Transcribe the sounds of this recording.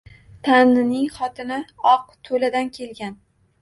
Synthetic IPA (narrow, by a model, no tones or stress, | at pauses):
t̪ʰamnɪnɪŋχɒt̪ʰɪnaɒq̚t̪ʰolad̪ankʲʰe̞lɡʲan